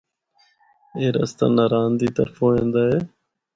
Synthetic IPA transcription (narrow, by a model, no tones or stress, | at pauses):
eːɾə̰st̪a̰ːnaːɾaːnd̪iːt̪əɾfõːẽːnd̪aːɦeː